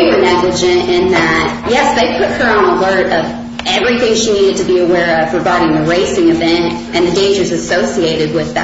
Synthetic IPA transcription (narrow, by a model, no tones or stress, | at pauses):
wə˞nɛɡlɨd͡ʒɨ̃ntɪ̃nðɨt̚jɛsðeɪpʰʊt̚hə˞ə̃nəlɜ˞ɾʌv | ɛvɹiθɪ̃ŋʃiniɾɨd̚tʰɨbiɨwɛɹʌv̥pʰɹ̥əvaɪɾɪ̃ŋðɨɹeɪsɪ̃ŋɨvɛ̃nt | ɨ̃nðɨdẽɪ̃nd͡ʒə˞zɨsoʊsieɪɾɨd̚wɪð̰